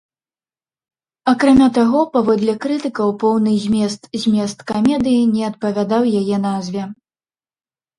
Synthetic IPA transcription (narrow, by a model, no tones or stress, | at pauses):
akɾamʲat̪aɣɔpavɔd̪lʲɐkɾɨt̪ɨkɐwpɔwnɨzʲmʲɛs̬t̪zʲmʲɛst̪kamʲɛd̪ɨjinʲɛɐt̪̚pɐvʲad̪awjajɛn̪azʲvʲɛ